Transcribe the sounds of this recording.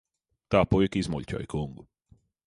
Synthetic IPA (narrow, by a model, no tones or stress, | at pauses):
t̪aːpujikizmuʎʲcʲɔ̰jkuŋɡu